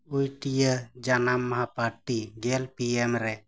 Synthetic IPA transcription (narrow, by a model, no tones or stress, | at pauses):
ujʈijəd͡ʒanamːaɦapaɾʈiɡɛlpiemɾɛ